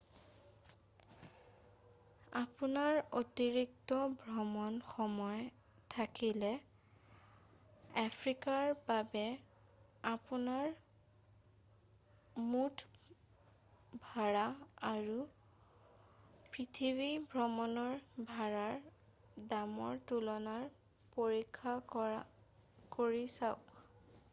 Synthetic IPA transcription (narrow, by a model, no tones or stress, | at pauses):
apunaɹotiɹik̚tɔbʱɹɔmɔnxɔmɔj | tʰakilɛ | apʰɹikaɹbabɛ | apunaɹ | mut | bʱaɹaaɹu | pɹitʰiβibʱɹɔmɔnɔɹbʱaɹaɹ | damɔɹtulɔnaɹ | poɹikʰːaɔ | koɹisaʊk